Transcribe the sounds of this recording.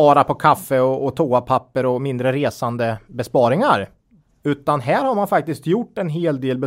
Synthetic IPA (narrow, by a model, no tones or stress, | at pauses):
ɑːɾapʰɔkʰafːəɔɔt̪ʰoːapʰapːəɾɔmɪnd̪ɾəɾeːsand̪əbɛspɑːɾɪŋaɾ | ʉ̟ːt̪anɦæːɾhaɾmanfak̚t̪ɪskt̪jʊʈːɛnɦeːld̪eːlbɛ